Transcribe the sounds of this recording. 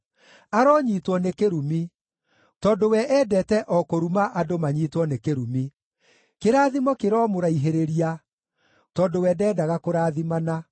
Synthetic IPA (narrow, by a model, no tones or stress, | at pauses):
aɾɔɲiːtwɔnekeɾumi | tɔːdowɛʔɛːdɛtɛʔɔkoɾumaʔadomaɲiːtwɔnekeɾumi | keɾaːðimɔkeɾɔmoɾaiɦeɾeɾia | tɔːdowɛdɛːdaɣakoɾaːðimana